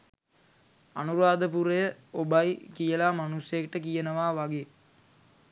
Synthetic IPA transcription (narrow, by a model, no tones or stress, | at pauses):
anuɾaːd̪əpuɾɐjəobajkijəlaːmanusjɐkʈəkijənəʋaːʋaɡe